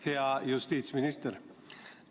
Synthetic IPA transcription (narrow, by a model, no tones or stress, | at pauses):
eajʉst̪iːt̪smɪnɪst̪əɾ